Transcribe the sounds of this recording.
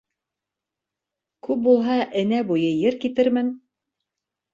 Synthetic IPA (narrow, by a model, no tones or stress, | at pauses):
kʉp̚bulˠɦɑʔɘ̆næbujɤjɘɾkit̪ɘɾmɘn